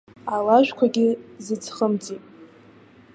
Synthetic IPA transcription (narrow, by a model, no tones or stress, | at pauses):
alaʒᶣʷkʷʰaɡʲɪzɨd͡zχəmd͡zʼipʼ